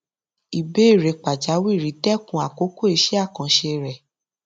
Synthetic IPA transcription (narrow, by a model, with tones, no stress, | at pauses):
i˨be˨˦i˦˨ɾe˨˧˨k͡pa˨d͡ʒa˨˦wi˦˨ɾi˨˦tɛ˦kũ˧˦a˨ko˨˦ko˦e˧˦ʃɛ˦a˦˨kã˨˦ʃe˧ɾɛ˨